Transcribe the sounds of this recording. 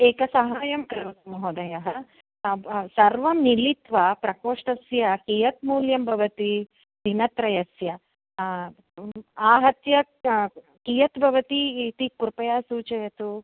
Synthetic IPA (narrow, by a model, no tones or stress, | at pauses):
eːkɐsɐɦaːjɐmkɾɪʋɐt̪mɐɦod̪ɐjɐɦɐ | sɐɾʋɐmnilit̪ʋɐpɾɐkoːʂʈɐsjɐkijɐt̪muːljɐmbʱɐʋɐt̪i | d̪ʱinɐt̪ɾɐjɐsjɐ | aːɦɐt̪jɐ | kijɐt̪bʱɐʋɐt̪it̪ikuɾpɐjaːsuːt͡ʃɐjɐt̪u